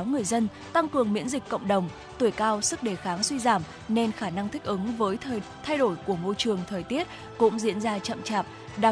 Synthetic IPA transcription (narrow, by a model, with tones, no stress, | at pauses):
wŋɨ˨˩əjzə˧n | t̪a˧ŋkɨ˨˩əŋmḭ˧˥ənzi˨˩k̟kə̰˧˨wŋ͡mɗə˨˩wŋ͡m | t̪u˧˩əjkaː˧wsɨ˦˥k̚ɗe˧˩xaː˨˦ŋswi˧zaː˧˩m | ne˧nxaː˧˩na˧ŋt̪ʰï˦˥k̟̚ʔɨ˨˦ŋvəː˨˦j | t̪ʰa˧jɗo˧˩jku˧˩əmo˧jt͡ɕɨ˨˩əŋt̪ʰəː˨˩jt̪i˦˥ət̚ | kʊ̰˧˥ŋ͡mzḭ˧˥ənzaː˧t͡ɕə̰˧˨mt͡ɕaː˨˩p̚ | ɗa˨˩